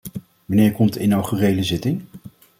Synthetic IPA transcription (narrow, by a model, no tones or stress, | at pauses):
ʋɑnɪːɹkɔmtɪnawχyrejləzɪtɪŋ